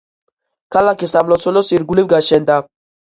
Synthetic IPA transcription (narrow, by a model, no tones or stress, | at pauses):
kalakisamlɔt͡solosiɾɡulivɡaʃɛnd̪a